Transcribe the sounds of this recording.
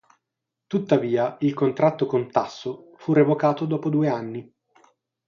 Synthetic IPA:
t̪ut̪ːaviːailkont̪ɾat̪ːokont̪asːofurevokaːt̪od̪ɔːpod̪uːeanːi

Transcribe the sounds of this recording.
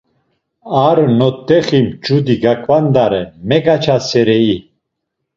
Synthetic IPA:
aɾnɔt̪ːɛχimt͡ʃud̪iɡakʰʼvand̪aɾɛmɛɡat͡ʃʰasɛɾɛi

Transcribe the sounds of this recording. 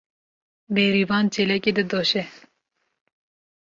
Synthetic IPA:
beːɾivɑːnt͡ʃɛlɛkeːd̪ɨd̪oʃɛ

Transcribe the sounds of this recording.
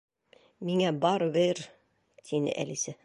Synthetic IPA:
miŋæbɑɾβeɾ | t̪ʰinɘ̰ʔæ̰lisæ

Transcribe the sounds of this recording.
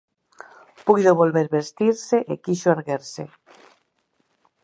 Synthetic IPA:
pujðoβolβeɾβest̪iɾseʔekiʃoaɾɣeɾse

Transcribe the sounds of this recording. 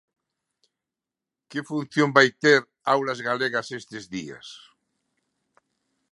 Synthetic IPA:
kefunθjombajt̪eɾ | awlazɣaleɣasest̪ezðia̰s

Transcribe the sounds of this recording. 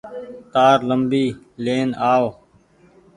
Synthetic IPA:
t̪aːɾləmbiː | leːnaːʋ

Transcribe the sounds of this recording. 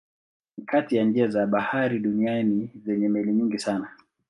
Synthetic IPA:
nikʰatijand͡ʒiazaɓahaɾiɗunianizɛɲɛmɛliɲiŋɡisana

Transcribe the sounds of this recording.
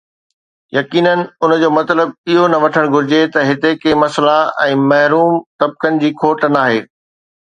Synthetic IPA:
jɐkiːnənɪ̆ʊn̆d͡ʑoːmɐt̪ləb̚ɪɦonɐʋɐʈʰəɽ̃ɡʱʊɾɪd͡ʑet̪ɐɦɪt̪ekemɐslaɛ̃ːmɐɦɾuːmt̪ɐb̚kənɪ̆d͡ʑiːkʰoːʈənaːɦeː

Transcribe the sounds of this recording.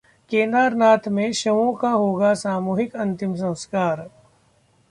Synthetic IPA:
kẽːnd̪aːɾnaːt̪ʰmẽʃɐʋõkaɦoːɡasaːmuːɦɪkɐ̃nt̪ɪms̬ɐ̃w̃skaːɾ

